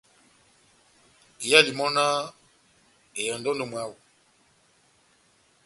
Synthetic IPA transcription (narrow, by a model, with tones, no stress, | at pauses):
i˨ja˦li˨mɔ˦na˦ | e˨jɔ˨ndɔ˦ndo˦˨mwa˦wu˨